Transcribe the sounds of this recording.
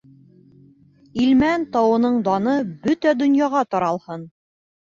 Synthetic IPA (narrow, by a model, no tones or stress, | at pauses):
ilmænt̪ɑwɤ̆nɤɴd̪ɑnɤbɵt̪æd̪ŏnjɑʁɑt̪ɒɾɑlˠhɤn